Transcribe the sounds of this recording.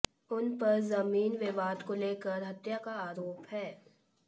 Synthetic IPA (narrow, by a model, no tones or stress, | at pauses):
ʊnpɐɾzɐmiːnʋɪʋaːd̪koleːkəɾɦɐt̪jakaaːɾoːphɛː